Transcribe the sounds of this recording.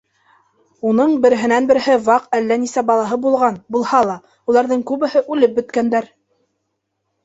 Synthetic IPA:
unɤɴbɘ̆ɾɘ̆ɦɘ̆nænbɘ̆ɾɘ̆ɦɘβɑqælːænisæbɑlˠɑɦɤbulˠʁɑnbulˠhɑlˠɑ | ulˠɑɾðɤɴkʉβɘ̆hɘʔʉlɘp̚bɵ̆t̪kænd̪æɾ

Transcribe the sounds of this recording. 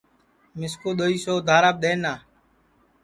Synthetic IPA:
mɪskoːɗ̪oːiːsoːd̪ʱaːɾaːb̚ɗ̪eːnaː

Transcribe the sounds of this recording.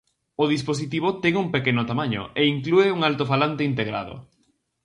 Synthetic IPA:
oðispos̬it̪iβ̞ot̪ɛŋuŋpekenʊt̪amaɲʊ̰eiŋklueuŋalt̪ofalant̪eint̪eɣɾa̰ðʊ̰

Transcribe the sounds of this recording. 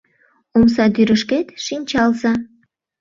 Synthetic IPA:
oms̬ɑt̪yɾəʃket̪ʃinʲt͡ɕɑlsɑ

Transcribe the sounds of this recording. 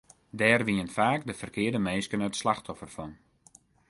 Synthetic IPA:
dɛːrʋiənfaːkdəfərkɪːədəmeːskənətslaxtʰɔfərfɔn

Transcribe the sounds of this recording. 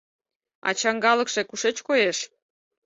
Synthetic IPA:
ɑ̰t͡ɕɑŋɡɑləkʃekuʃet͡ɕkojeʃ

